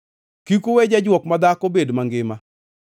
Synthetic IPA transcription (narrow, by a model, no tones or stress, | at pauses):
kikowed͡ʒad͡ʒwɔkmad̪akobedmaŋɡɪma